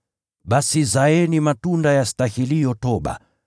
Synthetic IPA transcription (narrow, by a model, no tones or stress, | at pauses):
ɓasizaɛnimatundajastahilijɔtɔɓa̰